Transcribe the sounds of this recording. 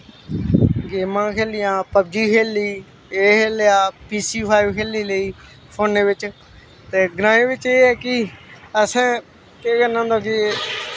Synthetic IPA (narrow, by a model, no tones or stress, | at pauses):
ɡeːmãːkʰeːlɪjãːpəbd͡ʒiːkʰeːliː | eːkʰeːljaːpiːsiːpʰaːɪʋkʰeːliːləiː | pʰoːneːʋɪt͡ʃ | t̪eːɡɾãːẽːʋɪt͡ʃeːɛːkɪəsãː | keːkənãːnd̪aːkɪ